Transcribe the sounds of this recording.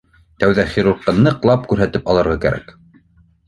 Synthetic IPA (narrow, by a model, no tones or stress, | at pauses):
t̪æwðæχiɾuɾqːɤnɤ̆qlˠɑpkʉɾɦæt̪ɘpɑlˠɤ̆ɾʁɑkæ̰ɾæ̰k